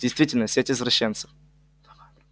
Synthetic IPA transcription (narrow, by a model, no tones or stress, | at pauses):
dʲɪjst̪vʲitʲɪlʲnəsʲetʲvəzvrɐɕːent̪sə̥f